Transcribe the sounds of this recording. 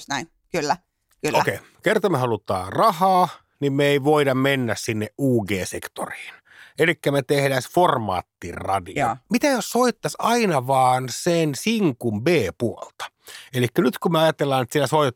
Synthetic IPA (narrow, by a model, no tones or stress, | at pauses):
snæin | kylːæ | kylːokei | kert̪ɑmehɑlut̪ɑ̰ːrɑhɑː | nimmeeiʋoidɑmmenːæssinːeʔʔuːɡeːsekt̪o̰ri̥ːn | elikːæmet̪ehdæsformɑ̰ːt̪ːirrɑ̰dḭo̰mit̪æjossoit̪ːɑsɑinɑʋɑːnsensiŋkumbeːpuolt̪ɑ̥ | elikːænyt̪kumeɑjɑt̪elːɑnet̪sinæsoi